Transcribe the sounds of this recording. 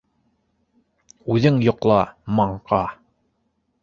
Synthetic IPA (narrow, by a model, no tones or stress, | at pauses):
ʉðɘŋjŏqlˠɑmɑɴqɑ